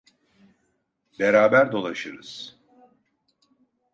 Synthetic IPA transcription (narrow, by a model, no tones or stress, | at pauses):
beɾaːbæɾd̪o̞lˠaʃɯɾɯz̥